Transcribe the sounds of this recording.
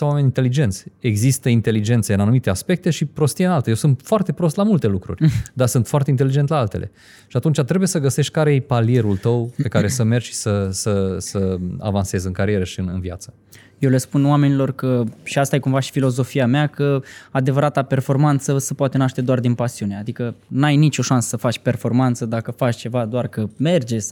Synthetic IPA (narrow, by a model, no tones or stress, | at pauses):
sawame̞nʲint̪elid͡ʒe̞nt̪sʲe̞ɡzist̪əint̪e̞lid͡ʒe̞nt̪səɨnanumit̪easpe̞k̚t̪e̞ʃipɾo̞st̪ienalt̪ejewsɨnt̪foart̪e̞pɾo̞st̪lamult̪e̞lukɾṵrʲd̪asɨnt̪foaɾrt̪e̞int̪elid͡ʒe̞nt̪laalt̪e̞̰lʔe̞̰ | ʃiat̪unt͡ʃat̪ɾebuje̞səɡəse̞ʃt̪̚ʲkaɾejepalije̞ɾult̪əwpe̞kaɾe̞səme̞rʃi̥səsəsəa̰vanse̞zɨŋkaɾie̞ɾəʃiɨnɨ̰nvia̰t̪sə̥ | jewle̞spunwame̞nilo̞rkəʃiast̪ajekumvaʃi̥filo̞zo̞fiameakəad̪e̞vəɾat̪ape̞rfo̞rmant̪səsəpwat̪e̞naʃt̪e̞d̪oard̪inpasiune̞ad̪ikənajnit͡ʃo̞ʃansə̥səfat͡ʃʲpe̞rfo̞rmant̪səd̪akəfat͡ʃt͡ʃe̞vad̪oarkəme̞rd͡ʒe̞s